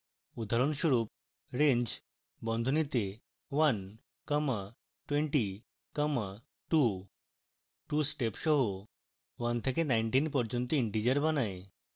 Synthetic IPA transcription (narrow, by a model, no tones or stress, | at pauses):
ud̪ʱaɾonʃuɾup̚ | ɾeɲd͡ʑ | bɔnd̪ʱonit̪e | ʋan | kama | ʈweɳʈi | kama | ʈu | ʈusʈepʃɔɦo | ʋant̪ʰekenajɳʈinpɔɾd͡ʑɔnt̪oiɳʈid͡ʑeɾbanae